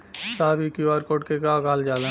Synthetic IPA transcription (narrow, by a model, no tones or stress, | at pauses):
saːbʱikiaːɾkoːʈkekaːɡaːld͡ʒaːlẽ